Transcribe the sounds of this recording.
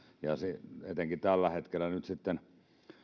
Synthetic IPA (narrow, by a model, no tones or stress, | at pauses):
jɑsiet̪eŋkit̪ælːæhet̪kelːænyt̪sit̪ːen